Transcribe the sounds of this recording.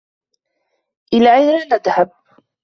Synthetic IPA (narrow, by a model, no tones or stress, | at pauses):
ʔɪlaːʕajɾanad̪hab̚